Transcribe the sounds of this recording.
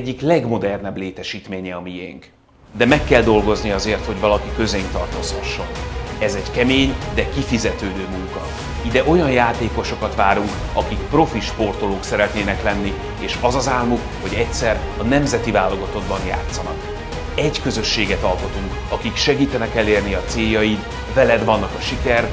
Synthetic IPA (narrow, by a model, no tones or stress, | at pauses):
ɟːiklɛɡmo̞d̪ɛrnɛbleːt̪ɛʃiːt̪meːɲɛɒmiḛːŋk | d̪ɛmɛkːɛld̪o̞lɡo̞zniɒzeːrt̪ho̞ɟvɒlɒkikø̞zejnt̪ɒrt̪oːshɒʃːo̞nɛzɛɟkɛmeːɲd̪ɛkifizɛt̪øːd̪øːmuŋkɒ | id̪ɛʔo̞jɒnjaːt̪eːkoʃo̞kɒt̪ʋaːɾuŋk | ɒkikpro̞fiʃpo̞rt̪o̞loːksɛɾɛt̪neːnɛklɛnːi | eːʃɒzɒzaːlmukho̞ɟɛcsɛrɒnɛmzɛt̪ivaːlːo̞ɡɒt̪o̞ɡ̪̚bɒnja̰ːt̪sːɒnɒk | ɛɟkø̞zø̞ʃːeːɡɛt̪ɒlko̞t̪uŋk | ɒkikʃɛɡiːt̪ɛnɛkɛlːeːrniɒt̪seːjːɒjit̪ | vɛlɛd̪vɒnːɒkɒʃikɛr